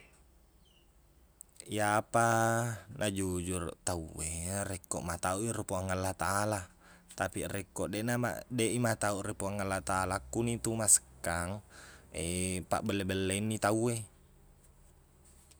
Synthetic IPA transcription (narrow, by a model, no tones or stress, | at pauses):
japanʔad͡ʒud͡ʒurt̪auerekːoʔmat̪auʔirepuaŋalːat̪aʔala | t̪apirɛkːoʔdeʔnama̰deʔimat̪auʔrepuaŋalːat̪aʔːlakːunit̪umaskːaŋepa̰ʔbəlːebelːeinːit̪aue